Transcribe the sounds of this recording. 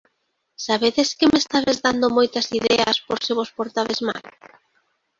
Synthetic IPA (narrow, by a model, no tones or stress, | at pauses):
saβeðeskɪmest̪aβezðand̪omojt̪ɐsiðɛɐ̰spoɾsɪβospoɾt̪aβezma̰l